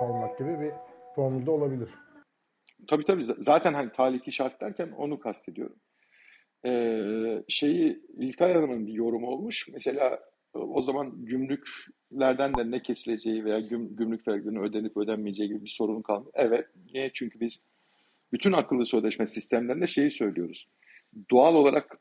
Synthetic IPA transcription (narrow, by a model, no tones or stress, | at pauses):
alˠmak̚ɟibibifoɾmulʲˠd̪aolˠabilʲiɾ̥ | t̪ʰabiːt̪ʰabiːzzaːt̪ʰænɦanit̪ʰaːlʲicʰiʃaɾt̪lʲæɾcʰæno̞̰nukʰast̪ʰe̞d̪ijo̞̰ɾum | ɛːʃe̞jiilʲkʰalanamɯnɯnbijo̞ɾumuo̞lˠmuʃmɛse̞lʲa̰ː | o̞zamanɟymlʲyc | lʲæɾd̪ænd̪ɛnɛcʰe̞silʲe̞d͡ʒe̞jive̞jaːɟymɟymlʲycʲfæɾklʲeɾiniøːd̪eniipød̪ænmijed͡ʒejiɟibibiso̞ɾunkʰalˠmɯʔɛvɛt̪̚nɛt͡ʃʰyɲcʰybiz̥ | byt̪ʰynakʰːɯlˠːɯsø̞jlʲɛʃmɛsist̪ʰæmlʲeind̪ʲɛʃe̞jisø̞jlʲijo̞ɾuz̥ | d̪ualˠo̞lˠaɾak